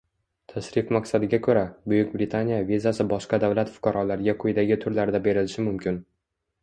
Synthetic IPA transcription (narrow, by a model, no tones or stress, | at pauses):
t̪ʰaʃɾɪfmaqsad̪ɪɡʲakʰɵɾabʊjʊkʲbɾɪt̪ʰanijavʲizasɪbɒʃqɑd̪avlat̪fʊ̥qʰɑɾɒlaɾɡʲaqʰʊjd̪aɡʲɪt̪ʰʊɾlaɾd̪abe̞ɾɪlɪʃɪmʊmkʲɪn